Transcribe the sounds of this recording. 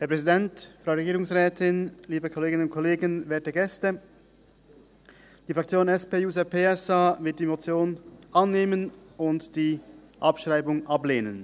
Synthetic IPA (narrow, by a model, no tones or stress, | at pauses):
hɛːɐpʰʁɛzidɛntfʁ̥aʊɾeɡiːʁʊŋsʁɛːtʰɪnliːbəkʰɔleːɡɪnənʊnt̚kʰɔleːɡənvɛːɐtəɡɛstə | d̥iːfʁ̥akt͡sjoːnɛspeːjuːzaɐpʰeːɛsavɪɐt̚d̥iːmot͡sjoːnʔanːeːmənʊntd̥iː | ʔapʃʁaɪbʊŋʔableːnən